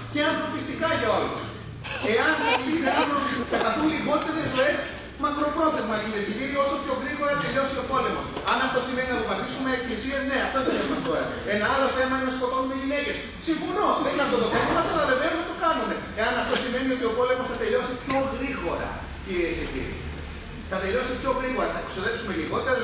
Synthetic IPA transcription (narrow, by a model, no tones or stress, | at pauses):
ceɐnθo̞pist̪ikɐʝɐo̞lṵs | e̞ɐnpoliðeɐnonɐɐθunliɣo̞t̪e̞ɾe̞zo̞e̞s | mɐkɾo̞pɾo̞θe̞zmɐciɾezkiciɾio̞so̞pço̞ɣɾiɣo̞ɾɐt̪e̞ʎo̞sio̞po̞le̞mo̞sɐnɐft̪o̞simeninɐp̪ovɐt̪isumeːkiesiezne̞ɐft̪ot̪oθemut̪o̞ɾɐ̰ | enɐɐlo̞θe̞mɐinosko̞t̪onumeʎine̞ces | siɱfono̞ðeŋɡɐɾt̪oðokonomɐsɐlɐðeveɐsɐt̪okɐnume̞ | eɐnɐft̪o̞sime̞nio̞t̪io̞po̞le̞mosθɐt̪e̞lo̞sipço̞ɣɾiɣo̞ɾɐ̰ | ciɾiesecḭɾḭ | θɐt̪eʎo̞sipço̞ɣɾiɣo̞ɾɐθɐksoðe̞psume̞liɣo̞t̪eɾ